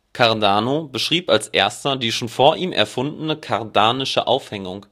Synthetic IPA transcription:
kʰaɐdaːnobəʃʁ̥iːpalsʔeːɐstɐdiːʃoːnfoːɐʔiːmʔɛ̰ɐfʊndnəkʰaʁdaːnɪʃə̰ʔa̰ʊfhɛŋʊŋ

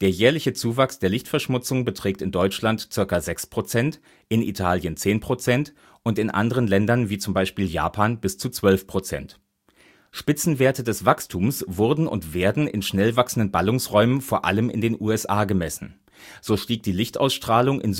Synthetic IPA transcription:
d̥eːɐjɛːɐlɪçət͡suːvaksd̥eːɐlɪçtfɛɐʃmʊt͡sʊŋbətʁ̥ɛːk̚tɪndɔʏt͡ʃlantt͡sɪɐkɐzɛkspʁ̥ot͡sɛnt | ʔɪnḭtʰaːljənt͡seːnpʁ̥ot͡sɛnt | ʔʊntɪnʔa̰ndəʁənlɛndɐnviːt͡sʊmbaɪʃpiːlja̰ːpʰaːnb̥ɪst͡sut͡sv̥œlfpʁ̥ot͡sɛ̰nt | ʃpɪt͡sn̩veːɐtədɛsv̥akstʰuːmsv̥ʊɐdn̩ʔʊ̰ntv̥eːɐdn̩ɪ̰nʃnɛlvaksn̩dənbalʊŋsʁɔʏmənfoːɐʔa̰ləmɪ̰ndeːnʔuːɛsʔaːɡəmɛsn̩ | z̥oːʃtiːk̚td̥iːlɪçtʔa̰ʊsʃtʁ̥aːlʊŋʔɪ̰nz

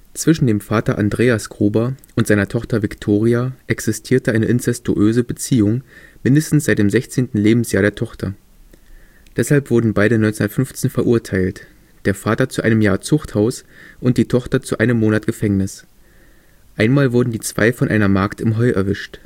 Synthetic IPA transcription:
t͡sv̥ɪʃn̩deːmfaːtɐʔa̰ndʁeːasɡ̥ʁ̥uːbɐʔʊntzaɪnɐtʰɔχtɐvɪktʰoːʁiaʔɛksɪstʰiːɐtəʔaɪnəʔɪnt͡sɛstṵʔøːzəbət͡siːʊŋmɪndəstn̩sz̥aɪt̚d̥eːmzɛçt͡seːntn̩leːbm̩sjaːɐɾeːɐtʰɔχtʰɐ̰ | d̥ɛshalpv̥ʊɐdn̩baɪɾənɔʏnt͡seʊnɐtfʏnft͡seːnfɛɐʔuɐtʰaɪlt | d̥eːɐfaːtɐt͡suʔaɪnəmjaːɐt͡sʊχthaʊsʔʊntd̥iːtʰɔχtɐt͡suʔaɪnəmːoːnatɡ̥əfɛŋnɪs | ʔaɪnmaːlvʊɐdn̩diːt͡sv̥a̰ɪfɔnʔa̰ɪnɐmaɐktɪmɦɔʏʔɛ̰ɐvɪʃt

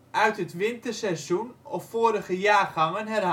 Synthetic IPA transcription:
ʔœɥtɦətʋɪntərsɛsunɔfːoːɾəχəjaːχɑŋənɦɛrɦ

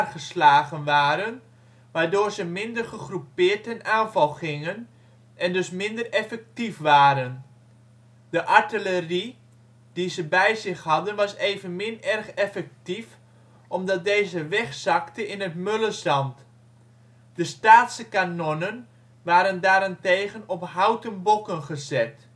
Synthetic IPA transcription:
rχəslaːɣənʋaːɾən | ʋaːɹdʊːɹzəmɪndərχəχrupɪːɹtənaːnvɑlˠχɪŋən | ɛndɵsmɪndərɛfɛk̚tifʋaːɾən | d̥əʔɑɹtɪləri | d̥izəbɛjzɪχhɑdənʋɑsejvənmɪnɛrχɛfɛk̚tif | ɔmdɑt̚dejzəʋɛχsɑktəɪnətmøləzɑnt | d̥əstaːtsəkanɔnən | ʋaːɾəndaːɾɛntejɣənɔpɦawtənbɔkənχəzɛt

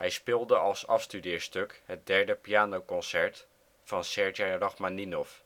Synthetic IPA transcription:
hɛjspɪlˠdəɑlˠsɑfstydɪːɹstøkɦət̚dɛɹdəpijaːnowkɔnsɛɹt | fɑnsɛɹd͡ʒejrɔχmaninɔf

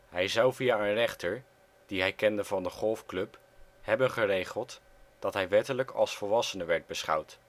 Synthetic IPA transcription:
ɦɛjzɑwvijaːənrɛχtəɹ | d̥iɦɛjkɛndəvɑndəχɔlˠfklɵp | hɛbənχərejχəlˠt | d̥ɑtɦɛjʋɛtələkʰɑ̰lˠsfəlˠʋɑsənəʋɛɹd̚bəsχɑ̰wt

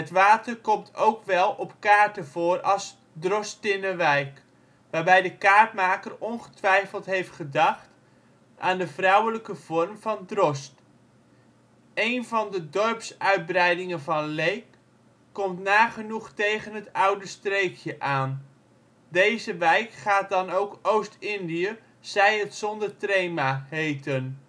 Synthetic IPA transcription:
ətʋaːtərkɔmtʰowkʋɛlˠɔpkaːrtəv̥oːrɑlˠs | drɔstɪnəʋɛjk | ʋaːrbɛjdəkaːrtmaːkərɔnχə̥tʋɛjfəlˠtɦejftχədɑχt | ʔaːndəvrʌwələkəv̥ɔrmv̥ɑndrɔst | ejnvɑndədɔrpsœɥd̚brɛjdɪŋənvɑnlejkː | ɔmtnaːχənuχtejχənɦətʌwdəstrejkʰjəʔaːn | dejzəʋɛjkχaːt̚dɑnowkowstɪndijə | z̥ɛjətsɔndərtrejmaɦejtən

